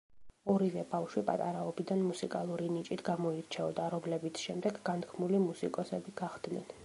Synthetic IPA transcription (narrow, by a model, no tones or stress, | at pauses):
ɔɾivɛbafʃwipʼa̰t̪ʼaɾaɔbid̪anmusikʼalˠuɾinit͡ʃʼit̪ʰɡamɔiɾt͡ʃʰɛɔd̪aɾɔmlɛbit̪sʰʃɛmd̪ɛɡɡant̪ʰkʰmulimusḭkʼɔsɛbiɡaʁd̪nɛ̰n